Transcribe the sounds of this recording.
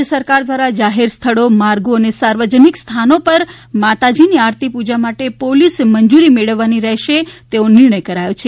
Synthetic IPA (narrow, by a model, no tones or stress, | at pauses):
əsəɾkaɾd̪ʋaɾad͡ʒaɦeɾst̪ʰəɭomaɾɡoənesaɾʋəd͡ʒənikst̪ʰanopəɾ | mat̪ad͡ʒiniaɾt̪ipud͡ʒamaʈepolisməɲd͡ʒuɾimeɭəʋːaniɾɛɦʃet̪eonɪɾɳəjkəɾajot͡ʃʰe